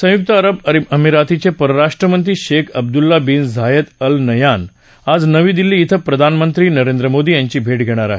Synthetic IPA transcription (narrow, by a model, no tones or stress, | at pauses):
sə̃juk̚t̪əːɾəbəɾiəmiɾat̪it͡sepəɾəɾaʂʈɾəmənt̪ɾiːɕekʰəb̚d̪ulːabiːnzʱajət̪əlnəjan | ad͡znəʋiːd̪ilːiːt̪ʰəpɾəd̪ʱanmənt̪ɾiːnəɾend̪ɾəmod̪iːjaɲt͡ɕiːbʱeʈɡʱeɽ̃aɾa̰ɦe